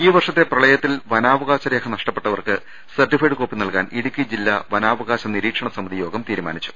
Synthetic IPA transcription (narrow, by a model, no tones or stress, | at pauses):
iːʋɐrʂɐt̪ːe̞prɐɭɐjɐt̪ːilʋɐnaːʋɐɣaːɕɐɾe̞ːkʰɐnɐʂʈɐpːe̞ʈːɐʋɐrkɨ | sɐrʈːifɐjɖɨko̞ːpːinɐɭka̰ːniɽukʲːid͡ʑilːɐʋɐnaːʋɐɣaːɕɐniɾiːkʂɐɳɐsɐmɐðijo̞ːɡɐmt̪iːɾuma̰ːnit͡ɕːu̥